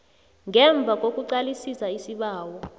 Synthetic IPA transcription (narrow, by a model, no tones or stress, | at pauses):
ŋɛɱb̪vʱak̬ʼok̬ʼuǀalisisaisiɓaːwɔ